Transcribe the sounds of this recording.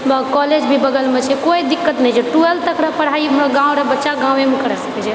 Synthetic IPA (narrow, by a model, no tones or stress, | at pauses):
bkɔled͡ʒbʱibəɡəlmet͡ʃʰɛkoid̪ikːət̪nəjd͡ʒʰɛʈuelt̪əkɾapəɽ̤aiɦəmɾaɡãwɾəbətːʃaɡãw̃emekəɾɛsə̥kɛt͡ʃʰɛ